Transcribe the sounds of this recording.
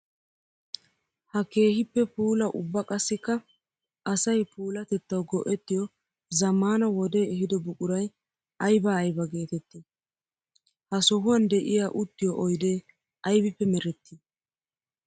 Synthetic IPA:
hɐke̞ːhɪpːɛpuːlɐʔʊbːɐkʼɐsːɪkːɐ | ʔɐsɐjpuːlɐt̪ɛt̪ːɐwɡɔʔɛt̪ːɪjɔ | zɐmːaːnɐwɔd̪e̞ːɛhɪd̪ɔbʊkʼʊɾɐj | ɐjbaːjbɐɡe̞ːt̪ɛt̪ːi | hɐsɔɦʊwɐnd̪ɛʔɪjaːʔʊt̪ːɪjɔʔɔjd̪eː | ʔɐjbɪpːɛmɛɾɛt̪ːi

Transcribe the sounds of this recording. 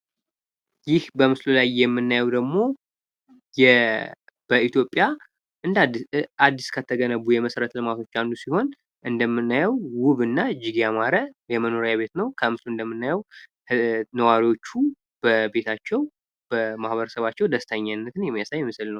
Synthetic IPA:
jɪhbəmɨslulajːɛmːɨnːajɛwd̪əɡmo̞ | jɛ | b̥əit̪jopʼːja | ʔɨnd̪ad̪ːiskʰət̪ʰːəɡənəβːujɛməsəɾət̪lɨmat̪ʰo̞t͡ʃːand̪usiho̞n | ʔɨnd̪əmːɨnːajɛwwʊβɨnːaɨd͡ʒːɪɡjamaɾəjɛməno̞ɾəjaβe̞t̪nəwkʰəmɨsluɨnd̪əmːɨnːajɛw | nəwaɾiwo̞t͡ʃːu | b̥əbe̞t̪ʰat͡ʃːɛw | b̥əmahβəɾəsəβat͡ʃːɛwd̪əst̪ʰəɲːanːət̪ʰɨnjɛmːijasaɲmɨsɨlnəw

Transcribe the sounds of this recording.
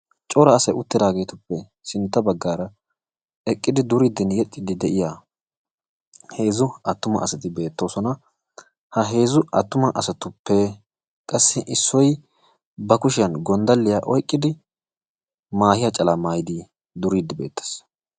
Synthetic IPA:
t͡ʃʼɔɾɐːsɐjʊt̪ːɪd̪aːɡe̞ːt̪ʊpːɛ | sɪnt̪ːɐbɐɡːaːɾɐ | ɛkʼːɪd̪ɪd̪ʊɾid̪ːɪnjɛt̪ʼːɪd̪ɪd̪ɛʔɪja | he̞ːzʊɐt̪ːʊmɐ̰ʔɐsɐt̪ɪbe̞ːt̪ːo̞ːsɔnɐ | hɐɦe̞ːzʊɐt̪ːʊmɐʔɐsɐt̪ʊpːɛ | kʼɐsːɪʔɪsːɔj | bɐkʊʃɪjɐnɡɔnd̪ɐlːɪjaʔɔjkʼːɪd̪ɪ | maːhɪjɐt͡ʃʼɐlɐmaːjɪd̪i | d̪ʊɾid̪ːɪbe̞̰ːt̪ːɐ̥s

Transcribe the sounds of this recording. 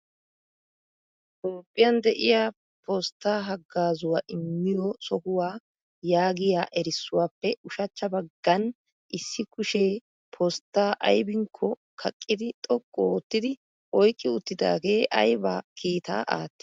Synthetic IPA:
t̪oːpʼːɪjɐnd̪ɛʔɪjaː | pʰɔst̪ːaːɦɐɡːaːzʊwaːʔɪmːɪjɔsɔhʊwaː | jaːɡɪjaːʔɛɾɪsːʊwaːpːɛʊʃɐt͡ʃːɐbɐɡːɐn | ʔɪsːɪkʊʃeː | pʰɔst̪ːaːʔɐ̰jbɪŋkʰːɔ | kʰɐkʼːɪd̪ɪt̪ʼɔkʼːoːt̪ːɪd̪ɪ | ɔjkʼːɪʊt̪ːɪd̪a̰ːɡe̞ːʔɐ̰jba̰ːkʰiːt̪a̰ːʔa̰ːt̪ːɪ

